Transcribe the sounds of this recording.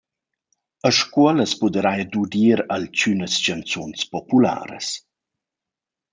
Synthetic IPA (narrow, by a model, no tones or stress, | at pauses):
əʃkuɔləspud̪əɾajdudiːɾalt͡ʃynəst͡ʃant͡sɔnspɔpula̰ːɾə̰s